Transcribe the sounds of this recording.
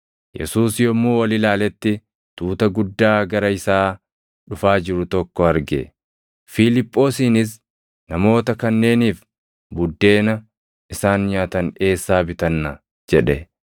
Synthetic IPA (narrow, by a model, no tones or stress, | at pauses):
jɛ̰suːsjɔmːuːwɐlɪlaːlɛt̪ːɪ | t̪uːt̪ɐɡʊd̪ːaːɡɐɾɐɪsaː | ᶑʊfaːd͡ʒɪɾʊt̪ɔkːɔɐɾɡɛ̰ | filɪpʼːo̞ːsiːnɪs̬ | nɐmo̞ːt̪ɐkɐnːe̞ːniːf | bʊd̪ːe̞ːnɐ | ʔɪsaːnjaːt̪ɐne̞ːsːaːbɪt̪ɐnːɐ | d͡ʒɛᶑɛ